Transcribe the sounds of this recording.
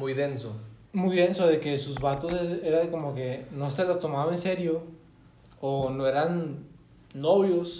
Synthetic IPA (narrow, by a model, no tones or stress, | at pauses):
mujðensomujðe̞nsoðeke̞suzβat̪oseeɾako̞moke̞noselost̪o̞maβaense̞ɾjoː | noeɾanː | oβjos